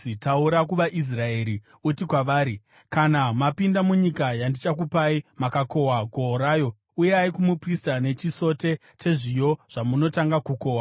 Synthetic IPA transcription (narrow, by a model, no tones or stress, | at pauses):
itauɾakuʋaʔis̬rae̞ːɾi | utikwaʋaːɾi | kanamapindamuɲikajandit͡ʃakupaimakako̞waɡʱo̞ɾaːjo̞ | uje̞aikumupristane̞t͡ʃiso̞te̞ | t͡ʃe̞ʐijoʐ̥amuno̞taŋɡakuko̞ːwa